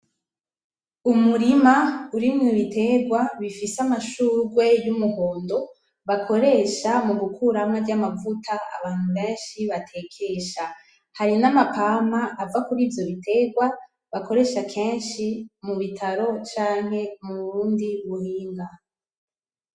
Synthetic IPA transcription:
umuɾimauɾimŋiβite̞ɡwaβifiseamaʃuːɾɡwe̞jumuho̞ːndo̞ | βakʰo̞ɾe̞ʃamuɡukʰuɾamaɟamavutʰaa̰βaːn̥huβeːnʃiβatʰe̞kʰe̞ʃa | haɾinamapamaʔːvakuɾiːvjo̞βitʰe̞ɡwa | βako̞ɾe̞ːʃakʰeːnʃimuβitʰaɾo̞t͡ʃaːŋ̥ɦe̞muβuɾuːndiβuhiːŋɡa

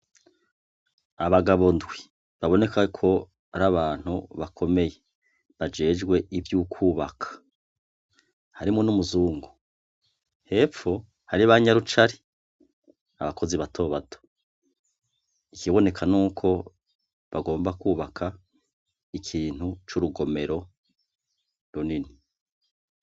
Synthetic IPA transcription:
aβaɡaβondwi | βaβo̞ne̞kakʰo̞ | aɾaβaːn̥hṵβakʰo̞me̞je | βad͡ʒe̞ːd͡ʒɡwe̞ʔivjukʰuːβa̰kʰḁ | haɾimunumuzuːŋɡu | he̞p͡fo̞ | haɾiβaɲaɾut͡ʃaɾi | a̰βakʰo̞ziβatʰo̞βatʰo̥ | ikiβo̞ne̞kʰanuːkʰo̞ | βaɡo̞ːmbakuːβakʰa | ikʰiːn̥hut͡ʃuɾuɡo̞me̞ɾo̞ | ɾunini

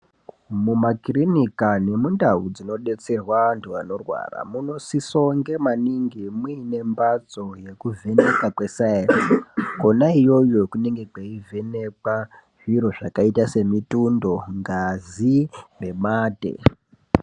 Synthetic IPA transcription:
mumakrinikane̞mundaud͡zino̞ɗe̞t͡se̞rwaantʰuano̞rwa̰ra̰muno̞siso̞ŋɡe̞maniŋɡimwine̞mbad͡zo̞je̞kuvʱe̞ne̞kakwe̞saerko̞naijo̞jo̞kune̞ŋɡe̞kaive̞ne̞kwa | ʐiɾo̞ʐakaitase̞mitundo̞ŋɡazime̞maːte̞̰

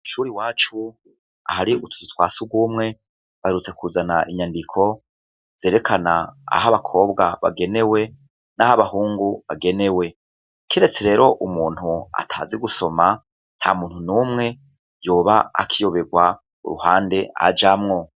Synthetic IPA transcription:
ʃuːɾiwaːt͡ʃu | a̰haɾiutʰu̥zitwa̰ːsuɡwumŋe̞ | βaheɾut͡se̞kʰuzanaʔiɲandikʰo̞ | z̥eːɾe̞kʰanaa̰ɦaβakʰo̞ːbɡaβa̰ɡe̞ne̞we̞ | nahaβahuːŋɡuβaɡe̞ne̞we̞ | kiɾe̞t͡se̞ɾe̞ːɾo̞ʔumuːn̥hua̰tʰa̰ːziɡuso̞ma | n̥hamuːnhunuːmŋe̞ | joːβaa̰kʰijo̞βe̞ɡwa | ṵɾṵhaːnde̞a̰d͡ʒamŋo̞

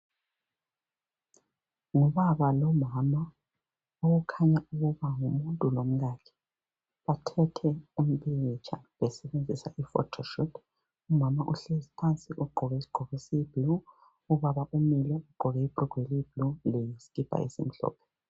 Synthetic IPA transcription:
ŋɔβaβalɔmama | oɣukʰaɲauɣuβaŋumuntʼulom̩ɣakʰɛ̥ | βatʰɛtʰɛum̩pʼiɣit͡ʃʰawɛsɛβend͡zʱisa̰ʔifɔ̰tʰɔʃutʰ | umamaʔuɬɛisi̥pʰant͡sʼiʔuɡ͡ǃʱɔɣɛsɡ͡ǃʱɔɣisib̥luː | βaβaʔumilɔuɡ͡ǃʱɔɣɛib̥ʼruɡ̥ʱeliib̥lulɛjisi̥kʼib̥ʱa̰ḛsim̩ɬɔ̰ːpʰɛ̥

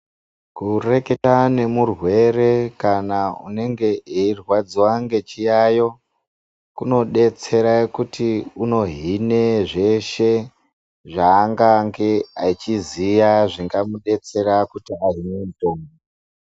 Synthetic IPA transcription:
kure̞ke̞tane̞murwe̞re̞kanaṵne̞ŋɡe̞eirwad͡ziwaŋɡe̞t͡ʃijajo̞ | kuno̞ɗe̞t͡se̞ɾakutiuno̞ɦine̞ʐe̞ʃe̞ | ʐaːŋɡaŋɡe̞ait͡ʃizijaʐiŋɡamuɗe̞t͡se̞ɾakutiaɦinemutoːmo

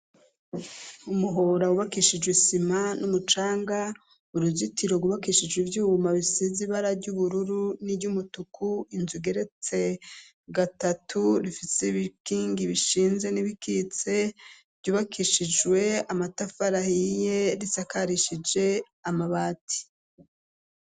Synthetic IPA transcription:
umuɦo̞ɾawuβakiʃid͡ʒwisimanumut͡ʃaːŋɡa | uɾuzitʰiɾo̞ɡuβakiʃid͡ʒɡwivjuːɡumaβisiziβaɾaɾɟuβuɾuɾuniɾɟumutukʰuinzuɡe̞ɾe̞t͡se̞ | ɡatatʰuɾifiseβikiːŋɡiβiʃiːnze̞niβikit͡se̞ | v̥ɟjuːβakʰiʃid͡ʒwe̞amatafaɾahije̞ɾisakaɾiʃid͡ʒe̞ | amaβaːti̥

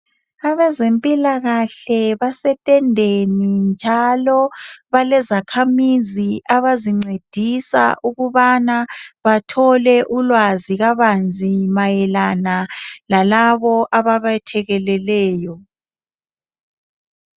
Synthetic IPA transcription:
aβɛzempʼilaɣaɬɛβasɛtʼɛndʱenind͡ʒʱalɔβalɛzakʰamiziʔaβaziŋ͡ǀed̥ʱisa̰ʔuɣuβanaβatʰɔlɛʔulwaziɣaβand͡zʱimajɛlanalalaβɔʔaβaβatʰɛɣɛlɛlɛːjɔ

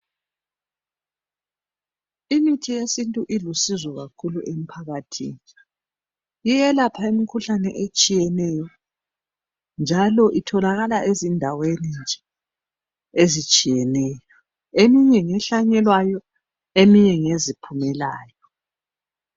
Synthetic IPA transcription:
imitʰijesintʼuʔilusizɔɣakʰuluʔem̩pʰaɣatʰḭːni | jijɛlapʰaemikʰuɬanɛ̰ʔet͡ʃʼijɛnɛjɔ | nd͡ʒʱalɔʔitʰɔlaɣalaʔezindʱawenind͡ʒʱɛ | ezit͡ʃʼijɛnɛːjɔ | emiɲɛŋɛɬaɲɛlwajɔ | emiɲɛŋezipʰumɛlaːjɔ

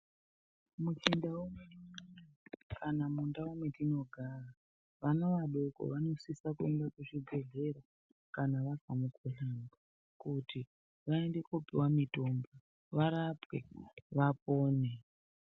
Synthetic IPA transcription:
mut͡ʃindaumwe | kʰanamundaumwetino̞ɡʱara | ʋano̞ʋaɗoko̰ʋano̞sisakuendakeʐiɡʱe̞ɮe̞ɾo | kanaʋaɡʱamukʰuɬamba | kuti | ʋaende̞kupiwamitomba | ʋaɾapweʋapoːne

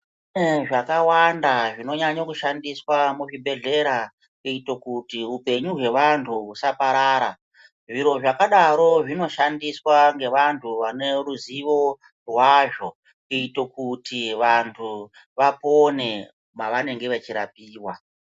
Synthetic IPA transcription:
ʐakawandaʐino̞ɲaɲokuʃandiswamuʐibʱe̞ɮe̞ɾa | iito̞kutiupe̞ɲuɦwe̞ʋantʰuusapaɾaːɾa | ʐiɾo̞ʐakaɗaɾo̞ʐino̞ʃandiswaŋɡe̞ʋantʰuʋane̞ruziʋo̞ | rwaʐo̞ | ito̞kutiʋantʰu | ʋapone̞ | maʋane̞ŋɡe̞ʋet͡ʃiɾa̰p̚iːwa

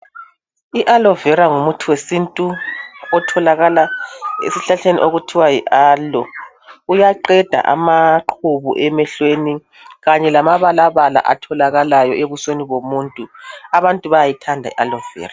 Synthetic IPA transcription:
iʔalɔvɛɾaŋumutʰuwesintʼuɔtʰɔlaɣalaḛsiɬaɬenḭʔoɣutʰiwajiʔaːlɔ | ujaǃɛd̥ʱa̰ʔa̰maǃʰuβṵʔɛmɛɬweni | ɣaɲɛlamaβalaβala̰ʔa̰tʰɔlaɣalajɔʔeβusweniβomuːntʼuaβantʼuβajajitʰandʱaḭʔalɔvɛ̰ːra

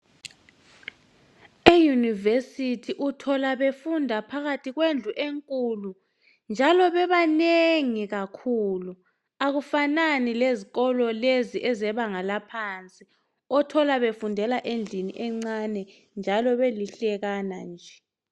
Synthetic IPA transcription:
ejunivesitʰiʔutʰɔlaβefundʱapʰaɣatʰiɣwend͡ɮʱuʔeŋkʼulu | nd͡ʒʱalɔβɛβaneŋiɣakʰuːlu | aɣufananileziɣɔlɔleziʔɛzɛβaŋalapʰant͡sʼi | ɔtʰɔlaβefundʱɛlaʔend͡ɮʱinḭʔɛŋ͡ǀanɛ | nd͡ʒʱalɔβeliɬɛɣanand͡ʒʱɛ

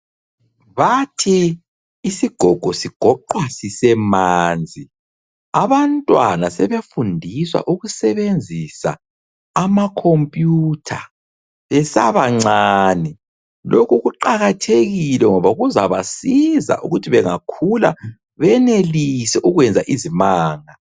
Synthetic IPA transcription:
βatʰiː | siɡ̥ʱɔɡ̥ʱɔsiɡ̥ʱɔǃwasisɛmaːnd͡zʱi | aβantʼwanasɛβefundʱiswa̰ʔuɣusɛβend͡zʱisa̰ː | makʰompʼjuːtʰa | βɛsaβaŋ͡ǀaːnɛ | lʔokuɣuǃaɣatʰeɣilɛŋɔβauɣuzaβasiza̰ʔṵɣutʰiβɛŋakʰula̰ | βɛnelisɛʔuɣwɛnd͡zʱaʔizimaːŋa

